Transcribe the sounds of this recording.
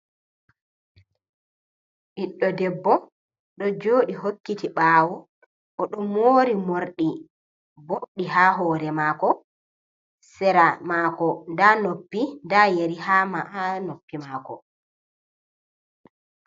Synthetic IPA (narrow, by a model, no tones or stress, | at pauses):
ʔiɗːɔdɛbːɔ | ɗɔd͡ʒoːɗiɦokːitiɓaːwu | ʔɔɗɔmoːɾimoɾɗi | boɗiɦaɦɔːɾɛmaːkɔ | sɛɾamaːkɔndanopːindajeɾihamaʔanopːimaːkɔ